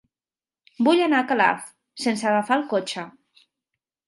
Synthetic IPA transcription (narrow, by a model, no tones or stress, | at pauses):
buʎanaːkala̰f | sensəaɣafalˠkot͡ʃa